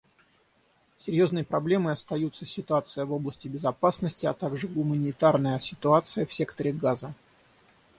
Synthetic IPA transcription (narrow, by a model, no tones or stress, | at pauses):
sʲɪɾʲjo̞znəjpɾɐblʲe̞mɨɐst̪ɐjut̪səsʲɪt̪ʊat̪sɨjəvo̞blˠəsʲtʲɪbʲɪzɐpasnəsʲtʲɪɐt̪aɡʐɨɡʊmənʲɪt̪arnəjəsʲɪt̪ʊat̪sɨjəfsʲe̞kt̪əɾʲɪɡazə